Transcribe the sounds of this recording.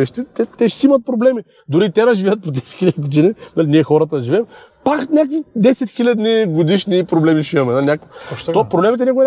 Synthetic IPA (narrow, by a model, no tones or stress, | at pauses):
ɛʃt̪ɛt̪ɛt̪ɛʃsiimɐt̪̚pɾoblɛmi | d̪ʊɾit̪ɛɾɐʒivɛɐt̪̚pot̪ɛst̪xilʲɐɡod̪ininalʲiniɛxɔɾɐt̪ɐd̪ɐʒivɛm | paknʲakvid̪ɛsɛt̪xilʲɐd̪niɡod̪iʃnipɾoblɛmiʃimɐmɛnalnʲakvt̪opɾoblɛmit̪ɛnʲakoɡn